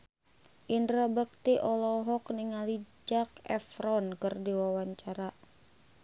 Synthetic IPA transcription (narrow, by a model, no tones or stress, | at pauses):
ʔindɾabək̚t̪iʔɔlɔɦɔkniŋalid͡ʒak̚ɛfɾɔnkɨrdiwawaɲt͡ʃaɾa